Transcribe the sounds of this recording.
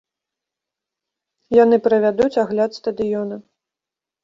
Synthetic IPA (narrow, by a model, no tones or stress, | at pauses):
jan̪ɨpɾɐvʲad̪ut͡sʲaɣlʲat̪st̪ɐd̪ɨjɔnɐ